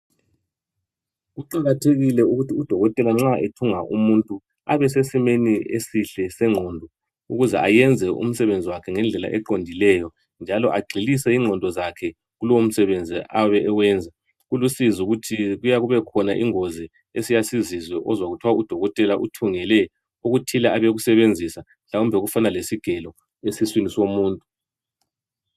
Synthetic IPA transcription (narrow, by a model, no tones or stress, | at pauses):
ɣuǃaɣatʰeɣilɛuɣutʰiud̥ʱɔɣɔtʼɛlaŋ͡ǁaʔetʰuŋaʔṵmuntʼu | aβɛsesimeniesiɬɛsɛŋ͡ǁʱɔːndʱɔ | uɣuzɛ̰ʔajɛnd͡zʱɛʔṵm̩sɛβend͡zʱiwakʰɛŋɛnd͡ɮʱɛla̰ʔɛǃondʱilɛjɔ | nd͡ʒʱalɔʔaɡ͡ǀʱilisɛiŋ͡ǀʱɔndʱɔzakʰɛ | ɣulɔwom̩sɛβend͡zʱiʔaβɛʔɛwɛːnd͡zʱa | ɣulusizuɣutʰiɣujaɣuβɛkʰɔnaʔiŋɔzɛ | esijasizizwɛʔɔzwaɣutʰwaud̥ʱɔɣɔtʼɛlaʔutʰuŋɛlɛ | oɣutʰilaaβeɣusɛβend͡zʱisa | ɬawumbʱɛɣufanalesiɡ̥ʱɛlɔ | esiswinisomuːntʼu